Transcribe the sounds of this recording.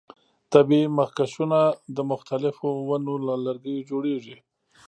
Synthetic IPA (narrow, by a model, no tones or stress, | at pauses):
t̪abimahkasunad̪əmʊxt̪alɪfowanolalaɾɡəjod͡ʒoɽeʐi